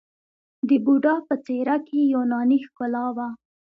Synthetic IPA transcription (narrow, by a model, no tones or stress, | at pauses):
d̪əbuɖɑpət͡seɾakʰejonɑnixkʊlɑwa